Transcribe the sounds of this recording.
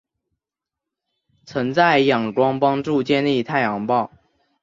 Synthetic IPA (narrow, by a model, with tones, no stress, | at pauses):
t͡sʰə˧˥ŋt͡sa˥˩ɪjɑ˨˩ŋʈ͡ʂwɑ˥ŋpɑ˥ŋʈ͡ʂu˥˧t͡ɕjɛ˥˧nli˥˧t̪ʰa˥˩ɪjɑ˧˥ŋpɑ˥˩ʊ